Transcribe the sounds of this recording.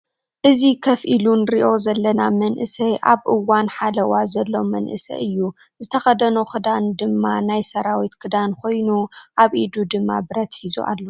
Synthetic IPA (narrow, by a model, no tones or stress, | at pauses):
ʔɨzikʰɐfʔilunɾiʔo̞zɐlːɐnamɐnʔɨsɐjʔaβʔɨwanħalɐwazɐlːo̞mɐnʔɨ̰sɐ̰ʔɨjːu | zɨt̪ʰɐxɐd̪ɐnokʰɨd̪and̪ɨmːanajsɐɾawit̪kʰɨd̪ankʰo̞jnuʔaβʔid̪ud̪ɨmːa̰bɨɾɐt̪ħizṵʔa̰lːo